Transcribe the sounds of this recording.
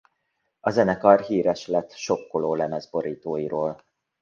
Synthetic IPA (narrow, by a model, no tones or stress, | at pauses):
ɒzɛnɛkɒrɦiːɾɛʃlɛt̪ːʃo̞kːoloːlɛmɛzbo̞ɾiːt̪oːjiɾoːl